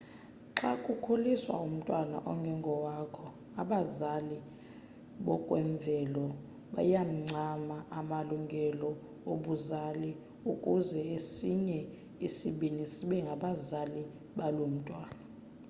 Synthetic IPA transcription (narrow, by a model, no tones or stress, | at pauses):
ǁakʼukʰoliswa̰um̩tʼwana̰ʔɔŋɡʱɛŋɡʱɔwakʰɔ | aɓazali | ɓɔkʼwɛɱb̪vʱɛlɔ | ɓa̰jam̩ŋ͡ǀʱamaʔamaluŋɡʱɛlɔ | oɓuzali | ukʼuzɛesiɲɛ | isiɓinisiɓɛŋɡʱaɓazali | ɓalom̩tʼwaːna